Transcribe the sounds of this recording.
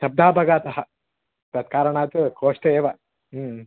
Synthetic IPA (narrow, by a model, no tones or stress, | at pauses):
ʃɐb̚d̪ʱaːbʱɐɡaːt̪ɐɦɐ | pɾɐt̪kaːɾɐɳaːt̪ukʰoːʂʈɐeːʋɐ